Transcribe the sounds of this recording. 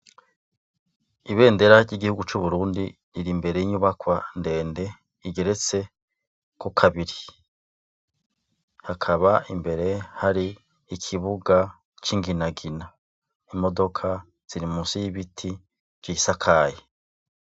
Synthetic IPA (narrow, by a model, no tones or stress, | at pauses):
iβe̞ːnde̞ɾaɾɟiɡihuɡut͡ʃuβuɾuːndi | ɾiɾimbe̞ɾe̞jiɲuβakwande̞ːnde̞ | iɡe̞ɾe̞t͡se̞ | kukʰaβiɾi | hakʰaβaimbe̞ɾe̞haɾiː | kʰiβuɡa | t͡ʃiŋɡinaɡina | imo̞do̞kʰa | z̥iɾimusijiβitʰi | ɡ̥isakʰaːje